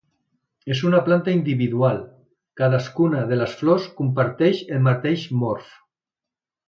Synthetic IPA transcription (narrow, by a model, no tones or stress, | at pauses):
ezunaplant̪aind̪iβiðualˠ | kaðaskunaðelasfloskumpaɾt̪ɛʃelmaɾt̪eʃmɔɾf